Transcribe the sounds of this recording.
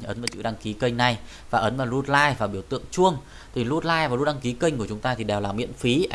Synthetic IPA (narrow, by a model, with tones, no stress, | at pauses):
ʔə˨˦nvaː˨˩t͡ɕɨ̰˧˥ɗa˧ŋki˨˦kə˧jŋ̟na˨˩j | vaː˨˩ʔə˨˦nvaː˨˩lu˧t̚laː˧jvaː˨˩ɓi˧˩əwt̪ɨ̰˧˨əŋt͡ɕu˧əŋ | t̪ʰi˨˩lu˧t̚laː˧jvaː˨˩lu˧˥t̚ɗa˧ŋki˨˦kə˧ŋ̟ku˧˩ət͡ɕʊ˨˦ŋ͡mt̪aː˧t̪ʰi˨˩ɗɛ˨˩wlaː˨˩mḭ˧˨ənfi˨˦ʔ